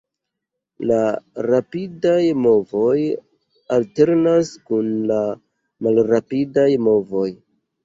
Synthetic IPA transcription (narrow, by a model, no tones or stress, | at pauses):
laɾapidajmo̞vo̞j | alte̞ɾnaskunla | malɾapidajmo̞vo̞j